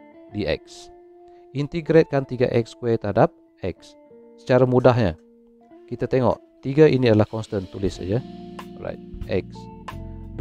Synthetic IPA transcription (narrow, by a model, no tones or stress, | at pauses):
diʔɛ̰k̚s | int̪iɡɾet̪̚kant̪iɡa̰ʔɛk̚skwɛt̪əɦadap̚ | ɛk̚sː | ə̥t͡ʃaɾamudaɦɲa | kit̪at̪eŋɔ̰ʔ | t̪iɡaʔiniadəlahkɔnst̪ənt̪ulɪsa̰d͡ʒəra̰jt̪̚ɛ̰k̚s | d